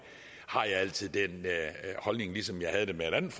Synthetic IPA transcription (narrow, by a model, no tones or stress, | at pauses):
hɑ̈jɑ̈ɪæl̰t͡sʰið̞̰ˠd̥enhɒ̽lne̝ŋlisɒ̽mjɑ̈ɪhæð̞ˠd̥emeeɾæn̩f